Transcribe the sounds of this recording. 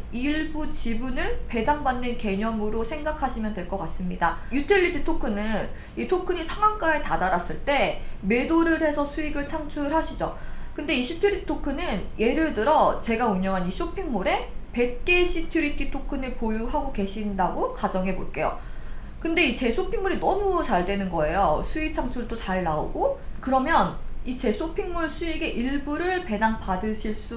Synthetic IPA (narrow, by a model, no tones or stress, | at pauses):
iɭbut͡ɕibunɯɭpe̞daŋbanːɯnke̞ɲʌŋɯɾosʰe̞ŋɡakʰaɕʰimjʌndwe̞ɭk͈ʌk͈as͈ɯmɲidajutʰeʎːidʰɯtʰokʰɯnɯn | itʰokʰɯɲisʰaŋaŋk͈aetadaɾas͈ɯɭt͈e̞me̞doɾɯɾhesʰʌsʰuiɡɯɭt͡ɕʰaŋt͡ɕʰuɭɦaɕʰid͡ʑokɯnde̞iɕ͈ʰitʰiɾitʰokʰɯnɯnje̞ɾɯɭdɯɾʌt͡ɕe̞ɡauɲʌŋɦaniɕ͈ʰopʰiŋmoɾe̞pe̞t̚k͈e̞ɕʰitʰuɾitʰitʰokʰɯnɯɭpojuɦaɡoke̞ɕʰindaɡokad͡ʑʌŋɦe̞bo̰ɭk͈e̞jo̰ | kɯnde̞it͡ɕe̞sʰopʰiŋmuɾinʌmut͡ɕaɭdwe̞nɯnɡʌe̞josʰuik̚t͡ɕʰaŋt͡ɕʰuɭt͈ot͡ɕaɭnao̰ɡokɯɾʌmjʌnit͡ɕe̞sʰopʰiŋmuɭsʰuiɡe̞ʔiɭbuɾɯɭpe̞nanpadɯɕʰiɭs͈u